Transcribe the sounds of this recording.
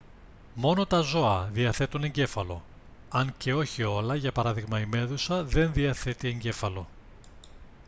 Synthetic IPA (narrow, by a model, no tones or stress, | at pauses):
mo̞no̞t̪ɐzo̞ɐðiɐθe̞t̪une̞ɲɟe̞fɐlo̞̰ | ɐŋce̞o̞çio̞lɐʝɐpɐɾɐðiɣmɐime̞ðusɐðe̞nðiɐθe̞t̪ie̞ɲɟe̞fɐlo̞